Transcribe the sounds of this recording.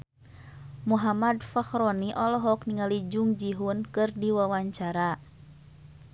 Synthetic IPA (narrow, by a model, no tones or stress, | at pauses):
muɦamadfaxɾɔniʔɔlɔɦɔkniŋalid͡ʒuŋd͡ʒiɦunkɨrdiwawaɲt͡ʃaɾa